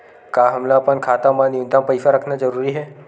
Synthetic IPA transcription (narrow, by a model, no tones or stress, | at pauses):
kaɦəmlapəɳkʰat̪amãnɪũnd̪ãpəjsaɾəkʰnad͡ʒəɾuɾiɦɛ